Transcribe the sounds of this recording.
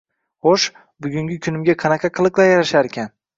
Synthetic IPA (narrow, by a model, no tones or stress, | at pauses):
χoʃ | bʊɡʲʊŋɡʲɪkʲʰʊnɪmɡʲaqʰɑnɑqʰɑqʰɨlˠɨqlˠaɾjaɾaʃaɾekʲʰan